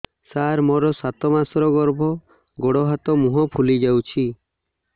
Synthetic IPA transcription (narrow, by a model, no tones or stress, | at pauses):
saɾmɔɾɔsat̪ɔmasɾɔɡɔɾbʱɔ | ɡoɽɔɦat̪ɔmuɦɔpʰulid͡ʒawt͡ʃʰi